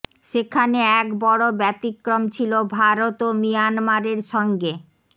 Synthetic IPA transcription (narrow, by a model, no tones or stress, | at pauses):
ʃekʰaneɛkbɔɽobɛt̪ikːɾomt͡ɕʰilobʱaɾot̪omijanmaɾeɾʃɔŋɡe